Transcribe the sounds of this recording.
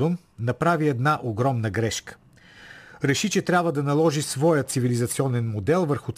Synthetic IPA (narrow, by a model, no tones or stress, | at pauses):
on | nɐpɾaviɛd̪naʔoɡɾɔmnəɡɾɛʃkə̥ | ɾɛʃit͡ʃɛt̪ɾʲabvəd̪ɐnɐlˠɔʒisvɔjət̪sivilizɐt̪siɔnɛnmod̪ɛlˠvəɾxʊt̪